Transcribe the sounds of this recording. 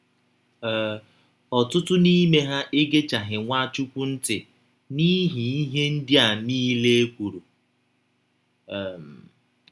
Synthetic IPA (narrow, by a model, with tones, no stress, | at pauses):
ɔ˨tʊ˦tʊ˦ni˦me˦ɦa˦ʔe˦ɡe˦t͡ʃa˨ɦɪ˨ŋʷa˦t͡ʃu˦kʷu˦n̩˦tɪ˨ | ni˦ɦi˨i˦ɦe˦n̩˦dɪ˦a˨niː˦le˦e˦kʷu˨ɾu˨ | m˨